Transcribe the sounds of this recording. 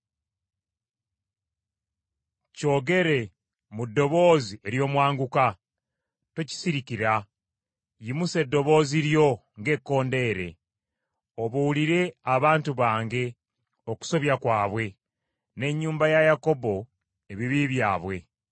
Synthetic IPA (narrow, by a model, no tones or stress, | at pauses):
co̞ːɡe̞ɾe̞ | mudːo̞βo̞ːzie̞ɾjo̞ːmwaːŋɡuka | tuci̥siɾiciɾa | jimuse̞dːo̞βo̞ːziɾjo̞ | ŋɡe̞kːo̞ːnde̞ːɾe̞̰ | o̞βuuliɾe̞aβaːntuβaːŋɡe̞ | o̞ku̥so̞βjakwaːβwe̞ | ne̞ɲːuːmbajajako̞bo̞ | e̞βiβiβjaːβwe̞